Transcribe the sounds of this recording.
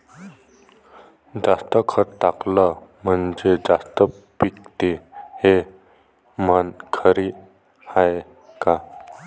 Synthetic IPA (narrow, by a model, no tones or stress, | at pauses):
d͡zast̪əkʰəɾt̪akləm̤əɳd͡zed͡zast̪ə | pik̚t̪ehe | mənkʰəɾi | aj | ka